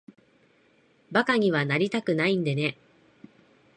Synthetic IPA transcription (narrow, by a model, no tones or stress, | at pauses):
bakaɲ̟iβ̞anaɾʲit̪akɯ̟naĩnd̪ene̞